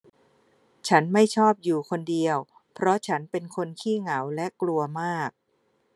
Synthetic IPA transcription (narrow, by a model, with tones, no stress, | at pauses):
t͡ɕʰa˦˥nma˥˩jt͡ɕʰɔː˥˩p̚juː˨˩kʰo˧ndi˧əw | pʰɾɔ˦˥t͡ɕʰa˦˥npe˧nkʰo˧nkʰiː˥˩ŋa˩˦wlɛ˦˥klu˧ɐmaː˥˩k̚